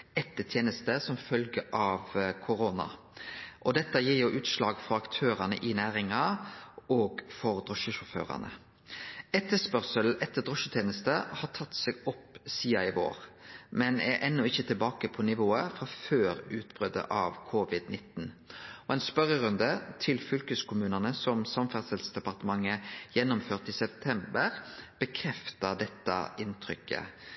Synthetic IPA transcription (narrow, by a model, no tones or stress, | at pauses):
ɛt̪ːət̪ʰjeːnəst̪əsɔmfœlɡəʔɑʋkʰʊɾoːnɑ̰ | ʔɔd̪ɛt̪ːəjiːɾjʊʔʉːt̪ʃlɑːɡfɔɾɑkt̪ʰøːʁɑnə̰ʔɪnæːɾɪŋɑ | oːɡfɔɾd̪ʁɔʃəʃʊfø̰ːʁɑ̰nə̰ | ɛt̪ːəspœʁsəlʔɛt̪ːəd̪ʁɔʃət̪ʰjeːnəst̪əhɑːʈ̪ʰɑt̪ːseːɡɔpːsiːɑɪʋo̰ːɾmɛnæɾʔɛnːʊɪçːət̪ʰɪlbɑːkəpʰɔnɪʋoːəfʁɑføːɾʉːt̪bʁœd̪ə̰ʔɑʋkʰʊʋɪd̪nɪt̪nɔɛnspœʁəɾʉnd̪ət̪ʰɪlfʏlkəskʰʊmʉːnənəsɔmsɑmfæʁsɛlsd̪ɛpɑʁt̪əmɑŋːəjɛnːʊmføːʁt̪iːsɛp̚t̪ʰɛmbəʁb̥əkʰʁɛft̪əd̪ɛt̪ːɑ̰ɪnt̪ʰʁʏkːə̰